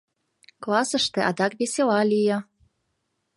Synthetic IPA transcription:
klɑsə̆ʃt̪ĕʔɑd̪ɑkβesʲelɑlʲijɤ̆

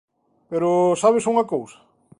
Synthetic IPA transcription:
peɾʊsaβɪsuŋɐkowsɐ̥

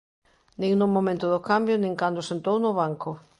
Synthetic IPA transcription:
nĩŋnʊmomẽnt̪ʊðʊkambjʊnĩŋkand̪ʊsẽnt̪ownʊβaŋkʊ

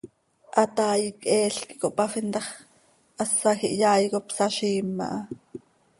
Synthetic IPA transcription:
ʔɑt̪ɑːjikʔɛːɬki̥ʔkoʔpɑfint̪ɑχ | ʔɑsːɑxiʔjɑːjkopsɑʃiːmːɑ̰ʔɑ

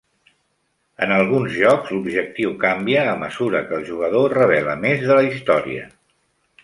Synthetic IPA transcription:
ə̰nəlˠɣunzʒɔkzlubʒək̚t̪iwkambiəːməzuɾəkəːlˠʒuɣ̞əðorəβ̞ɛlə̰mezðələist̪ɔɾḭə̰

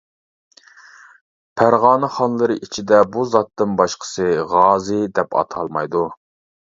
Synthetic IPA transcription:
pʰæɾʁɑːnɨχɑnlˠɨɾɨʔit͡ʃʰid̪ɛbuzɑt̪ːɨnbɑʃqʰə̥sɨʁɑːzɨd̪ɛpɑ̰t̪ʰɑlˠmɑjd̪u

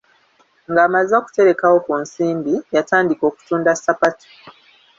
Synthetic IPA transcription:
ŋɡaːmazaku̥te̞ɾe̞kawo̞kunsiːmbijataːndiko̞ːku̥tuːndasapato̥

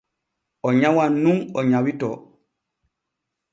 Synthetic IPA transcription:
ɔɲawanuŋɔɲawitɔ

